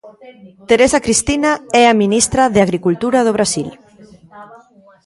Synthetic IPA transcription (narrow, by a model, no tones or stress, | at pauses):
t̪eɾesakɾist̪inaɛaminist̪ɾaðeaɣɾikult̪uɾað̞oβ̞ɾasil